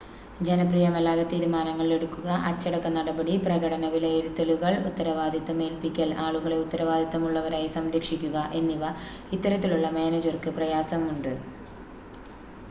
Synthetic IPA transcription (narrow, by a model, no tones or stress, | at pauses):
d͡ʑe̞nɐprijɐmɐlːaːɣɐt̪iːɾumaːnɐŋːɐɭile̞ɽukːuɣɐʔɐt͡ɕːɐɽɐkːɐnɐɽɐbɐɽiprɐɣɐɽɐnɐʋileiɾut̪ːɐluɣɐɭut̪ːɐɾɐʋaːd̪ʱjɐt̪ːɐme̞ːlpikʲːɐlaːɭuɣɐɭe̞ut̪ːɐɾɐʋaːd̪ʱjɐt̪ːɐmuɭːɐʋɐɾaːjisɐmd̪ikʂikʲːuɣɐʔe̞nːiʋɐ | it̪ːɐɾɐt̪ːiluɭːɐme̞ːnɐd͡ʑɐrkɨprɐjaːsɐmuɳɖɨ